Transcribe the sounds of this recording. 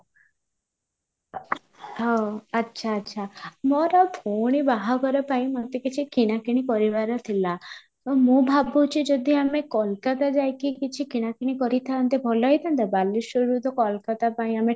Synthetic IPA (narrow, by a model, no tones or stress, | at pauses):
ɦɔətːʃʰaːtːʃʰamɔɾɔbʱoɽ̃ibaɦaɡɔɾepaĩmɔt̪ekit͡ʃʰikiɽ̃akiɽ̃ipɔɾibaɾɔt̪ʰilat̪ɔmũbʱabut͡ʃʰid͡ʒɔd̪ʱiamekɔlkat̪ad͡ʒajkikit͡ʃʰikiɽ̃akiɽ̃ikɔɾit̪ʰant̪ebʱɔlɔjt̪ʰant̪abalːiʃuɾud̪ʱɔkɔlkat̪apaĩame